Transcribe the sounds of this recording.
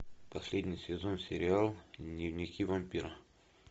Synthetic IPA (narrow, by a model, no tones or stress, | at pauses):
pɐsʲlʲedʲnʲɪjsʲɪzonsʲɪɾʲɪalˠnʲɪvnʲɪkʲivɐmʲpʲiɾə